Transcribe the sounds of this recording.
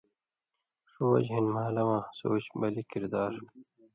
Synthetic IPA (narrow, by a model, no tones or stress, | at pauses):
ʂuwɐ̰d͡ʑɦinmaːlɐwãːsoːt͡ɕbɐlikiɾd̪aːɾ